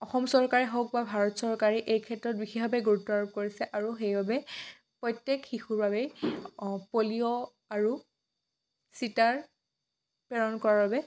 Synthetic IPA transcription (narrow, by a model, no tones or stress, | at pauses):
ɔxɔmsɔɹkaɹiɦɔk̚babʱaɹɔtsɔɹkaɹiʔejkʰɛtːɹɔt̚bixibʱabɛɡuutːɔaɹɔp̚koɹisɛʔaɹuxejbabɛ | pɹɔjtːekxixuɹbabɛ | polijɔ | aɹu | sitaɹ | pɛɹɔnkɔɹaɹbabɛ